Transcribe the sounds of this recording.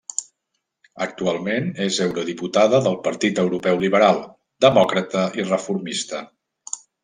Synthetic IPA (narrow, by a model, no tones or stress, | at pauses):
ək̚t̪ualˠmenezɛwɾuðiput̪aðəðəlˠpəɾt̪it̪əwɾupɛwliβəɾalˠ | d̪əmɔkɾət̪əʔirəfuɾmist̪ə